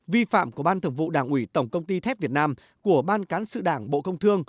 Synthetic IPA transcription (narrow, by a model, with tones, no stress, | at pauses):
vi˧fa̰ː˧˨mku˧˩əɓaː˧nt̪ʰə˧˩ŋvṵ˧˨ɗaː˧˩ŋʔwi˧˩t̪ə˧˩wŋ͡mkə˧wŋ͡mt̪i˧t̪ʰɛ˦˥p̚vi˨˩ət̚naː˧m | ku˧˩əɓaː˧nkaː˨˦nsɨ̰˧˨ɗaː˧˩ŋɓo̰˧˨kə˧wŋ͡mt̪ʰɨ˧əŋ